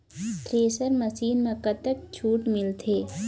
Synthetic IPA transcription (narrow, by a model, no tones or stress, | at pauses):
ʈɾeːsəɾmɐsiːnmẽkət̪ək̚t͡ʃʰuːʈmɪlt̪ʰeː